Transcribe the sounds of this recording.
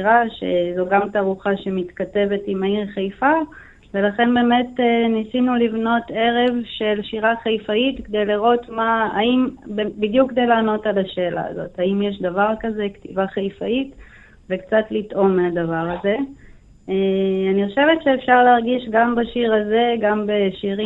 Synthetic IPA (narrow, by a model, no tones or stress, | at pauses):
iʁaʃezoɡamtaʁuχaʃemit̪kate̞ve̞timaiʁχejfa | ve̞laχe̞nbe̞ːme̞tnisinulivno̞te̞ʁe̞vʃe̞lʃiʁaχajfaitkd̪e̞jliʁo̞tmaːimbebidjukːde̞jlaːno̞talaʃe̞ːlʔa̰ːzo̞thaimjeʃdavaʁkaze̞ktivaχajfait | vekt͡satlitʔo̞mːeadavaʁaze̞ | eaniχo̞ʃe̞vetʃeːfʃaʁleaʁɡiʃɡambaʃiʁazeɡambeʃiʁi